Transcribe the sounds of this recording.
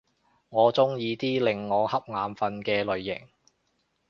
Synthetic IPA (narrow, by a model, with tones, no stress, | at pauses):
ŋɔː˨˧t͡sʊ˥ŋjiː˨˧t̪iː˥lɪ˨ŋːɔː˨˧hɐ˥p̚ŋaː˨˧mfɐ˧nkɛː˧lɵ˨ɥːɪ̰˨˩ŋ